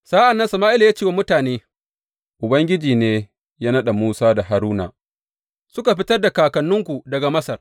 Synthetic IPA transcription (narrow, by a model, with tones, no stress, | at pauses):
saː˦ʔa˨nːɐ˦nsɐ˨maː˦ʔɪ˦la˨jaː˦t͡ʃeː˦wa˦mʊ˦taː˨neː˦ | ʔʊ˨bɐ˦ŋɡʲɪ˦d͡ʒiː˨neː˦ | jaː˦nɐ˦ɗa˨muː˦saː˦da˨ɦa˨ɾuː˦na̰˨ | sʊ˦ka˨ɸɪ˦tɐ˦rda˨kaː˨kɐ˨nːʊ˦ŋkʷu˨dɐ˨ɡa˨mɐ˦sɐ˨r